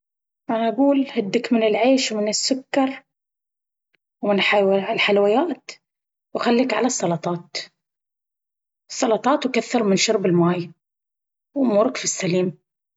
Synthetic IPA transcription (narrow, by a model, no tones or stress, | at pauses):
ʔanaʔaɡuːlhɪd̪ːɪkmɪnɪlʕeːʃwmɪnɪsːʊkːɑɾˤ | wmɪnħawlħalwɪjaːt̪ | wxalːikʕalasˤːɑlɑt̪ˤɑːt̪ | sˤːɑlɑt̪ˤɑːt̪wkaθːɑɾˤmɪnʃʊɾˤbɪlmaːj | wmuːɾɪkfisːaliːm